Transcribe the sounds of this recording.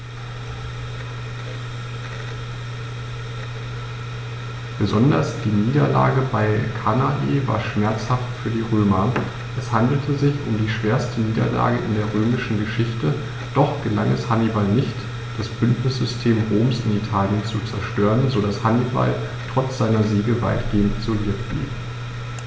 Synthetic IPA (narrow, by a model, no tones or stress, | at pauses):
b̥əzɔndɐ̰sd̥iːniːdɐla̰ːɡəbaɪkʰanadḛːva̰ːɐʃmɛɐt͡shaftfyːɐdiːʁøːmɐ | ʔɛshandl̩tʰəzɪçʊmdiːʃv̥eːɐstʰəniːdɐ̰la̰ːɡəʔɪndeːɐʁøːmɪʃn̩ɡəʃɪçtə | d̥ɔχɡ̥əlaŋɛshanibalnɪçt | d̥asb̥ʏntnɪsz̥ʏstʰeːmʁoːmsɪnitʰaːljənt͡sut͡sɛɐʃtøːʁənzodashaniba̰l | tʁ̥ɔt͡sz̥aɪnɐziːɡəva̰ɪtɡ̥eːəntz̥oviːɐtb̥lḭːp